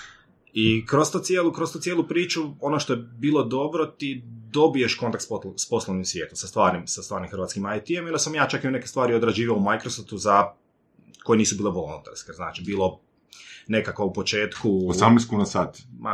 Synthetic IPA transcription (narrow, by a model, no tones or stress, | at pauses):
ikɾost̪ut̪sʲjeːlukɾost̪uːt̪sjeːlˠupɾiːt͡ʃuo̞noʃt̪ojebiːlˠo̞d̪o̞bɾot̪id̪o̞bie̞ʃko̞nt̪akt̪spspo̞slˠoʋnimsʋjeːt̪umsast̪ʋaːɾnimsast̪ʋaːɾnimxɾʋaːt̪skimajt̪iemjond̪asamjaːt͡ʃakiune̞kest̪ʋaːɾiod̪ɾad͡ʒiːʋaoumajkɾosoft̪uza | ko̞jeniːsubiːlˠeʋolˠṵnt̪a̰ɾskezna̰ːt͡ʃibiːlˠo̞ | ne̞kakʋoupo̞t͡ʃeːt̪kuosamnest̪kuːnasaːt̪ma